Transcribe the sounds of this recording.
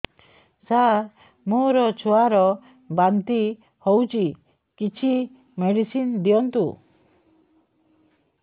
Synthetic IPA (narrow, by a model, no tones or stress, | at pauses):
sa | moɾɔt͡ʃʰɔaɾɔ | bant̪i | howt͡ʃi | kit͡ʃʰi | meɽisind̪ijɔnt̪u